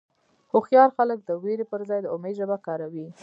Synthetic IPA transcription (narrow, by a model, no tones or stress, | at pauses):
hʊxjɑɾxalək̚d̪əweɾepəɾzɑjd̪əomeʒəbakɑɾawi